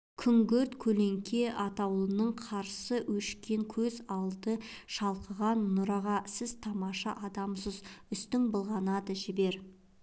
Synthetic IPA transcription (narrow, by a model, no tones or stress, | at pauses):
kʲʰʏŋɡʲɵɾt̪kʲʰɵle̞ŋkʲʰe̞ʔɑt̪ɑwlˠənəɴqʰɑɾsəwɵʃkʲe̞ŋkʲʰɵzɑlˠd̪əʃɑlˠqəʁɑnːʊɾɑʁɑsɪz̥t̪ʰɑmɑʃɑʔɑd̪ɑmsəzʏst̪ɪŋbəlˠʁɑnɑd̪əʒɪbe̞ɾ